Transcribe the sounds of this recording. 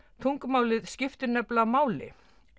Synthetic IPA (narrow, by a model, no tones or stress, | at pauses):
t̪ʰuŋkmaːwlɪðscɪft̪ʏɾnɛplamaːwlɪ̰